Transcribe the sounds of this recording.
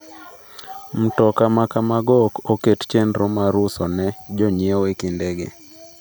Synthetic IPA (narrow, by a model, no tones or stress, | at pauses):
m̩tɔkamakamaɡɔkokett͡ʃendɾomaɾʊsɔnɛd͡ʒɔɲewekindɛɡḛ